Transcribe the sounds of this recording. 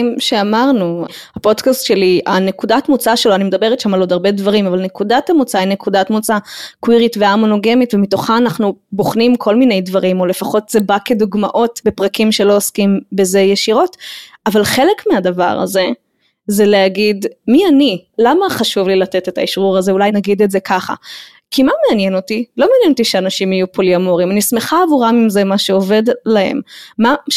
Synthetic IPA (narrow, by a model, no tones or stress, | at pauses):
mʃeamaʁnuhapo̞d̪kastʃe̞lianekudatmut͡saʃeloanimed̪abeʁetʃamalo̞d̪aʁbe̞dvaʁimavalne̞kudatamut͡sainekudatmut͡sakwiʁitveamonoɡe̞mitvemito̞χaːnaχnuboχnimkʰo̞lmine̞jdvaʁimo̞lefaχo̞tzebake̞d̪uɡmaʔo̞tbe̞pʁakimʃe̞lo̞oskimbezejeʃiʁo̞tavalχe̞le̞kmeadava̰ʁa̰ze̞ | zeleaɡidmianilamaχaʃuvlilate̞te̞taiʃʁuʁazeulajnaɡid̪etze̞kaχa̰ | kʰimatmeanje̞no̞tilomeanjenotiʃeanaʃimajupoliamoʁimanisme̞χaːvuʁamimze̞maʃeo̞ve̞dlahḛmma